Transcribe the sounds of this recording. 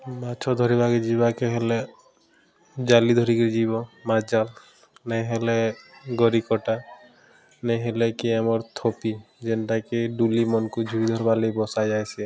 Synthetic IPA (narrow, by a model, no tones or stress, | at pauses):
mat͡ʃʰɔd̪ʱɔɾibaked͡ʒibakeɦele | d͡ʒalid̪ʱɔɾikɾid͡ʒibɔmad͡ʒal | nejɦeleɡɔɾikɔʈa | nejɦelekiamɔɾt̪ʰopid͡ʒenʈakeɖulimɔnkud͡ʒʱuɾid̪ʱɔɾbalejbɔsajd͡ʒajsɛ